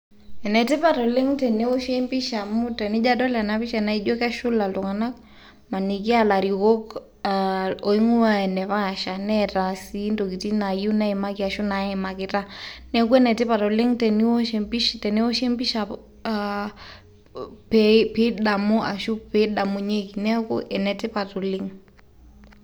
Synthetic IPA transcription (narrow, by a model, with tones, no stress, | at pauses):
ɛ˨nɛ˨tɪ˦pa˨tɔ˨le˦ŋtɛ˨ne˦o˦ʃe˦mpi˦ʃa˨mu˦tɛ˨ni˦d͡ʒa˦dɔ˦la˨napi˦ʃana˨˦i˦d͡ʒɔ˦kɛ˦ʃu˦la˨ltɔ˨ŋa˨na˦k̚ | ma˨ni˨k̬i˦a˦la˨ɾiko˦kː | o˨i˦ŋu˦a˦ɛ˨nɛ˨βa˦˨ʃa˨nɛ˦ta˨si˦ndo˨ki˨ti˦na˨ju˦na˦i˨ma˦ki˦a˨ʃu˦na˨ɛ˨ma˨kita˦nɛ˦ku˦ɛ˦nɛ˨tɪ˦pa˨tɔ˨li˦ŋtɛ˨ni˦o˦ʃe˨mpi˦ʃtɛ˨ni˦o˦ʃe˦mpi˦ʃa˨ | pɛpi˦ɗa˨mu˦ʔa˨ʃu˦pe˦ɗa˨mu˨ɲe˦ki˨nɛ˦kṵ˦ʔɛ˨nɛ˨tɪ˦pa˨tɔ˨li˦ŋ